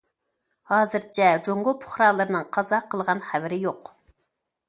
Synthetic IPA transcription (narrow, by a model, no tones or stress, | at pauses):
hɑːzɨɾt͡ʃʰɛd͡ʒoŋɡʊpʰʊ̥χɾɑlˠɨɾɨnɨŋqʰɑzɑqʰəlˠʁɑnχævɪɾɪjoq